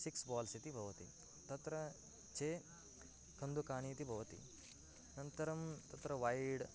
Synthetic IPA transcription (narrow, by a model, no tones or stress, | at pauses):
siksbaːlsit̪ibʱɐʋɐt̪ḭ | t̪ɐt̪ɾɐ | t͡ʃʰeː | kʰɐnd̪ukaːɳ̃iːt̪ibʱɐʋɐt̪ḭ | nɐnt̪ɐɾɐmt̪ɐt̪ɾɐʋaːjɽ